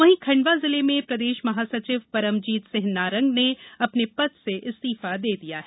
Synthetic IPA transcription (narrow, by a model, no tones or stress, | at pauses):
ʋɐɦĩkʰɐ̃ɳɖʋazɪlemẽpɾɐd̪eːʃmɐɦaːsɐt͡ʃɪʋpɐɾəmd͡ʒiːt̪sɪɦnaːɾɐ̃ŋɡneɐpnepɐt̪seʔɪst̪iːfad̪eːd̪ija̰ːɦɛ